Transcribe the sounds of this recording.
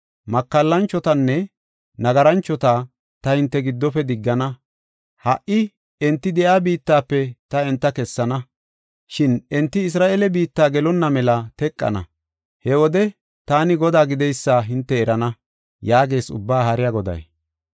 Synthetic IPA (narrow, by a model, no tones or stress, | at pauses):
mɐkːɐlːɐnt͡ʃːɔt̪ɐnːɛ | nɐɡɐɾɐnt͡ʃːɔt̪aː | t̪ɐhɪnt̪ːɛɡɪd̪ːɔpɛd̪ɪɡːɐnɐ | hɐʔʔɪ | ɛnt̪ːɪd̪ɛʔaːbiːt̪ːaːpːɛt̪ɐɛnt̪ːɐkɛsːɐnɐ | ʃɪnɛnt̪ːɪɪs̬ɾaːʔelɛbiːt̪ːaːɡɛlɔnːɐmɛlɐt̪ɛkʼːɐ̰nɐ̰ | hɛwɔd̪ɛ | t̪aːnɪɡɔd̪aːɡɪd̪ɛjsːaɦɪnt̪ːɛːɾɐnɐ | jaːɡe̞ːsʊ̰bːaːhɐɾɪjaɡɔd̪ɐ̰j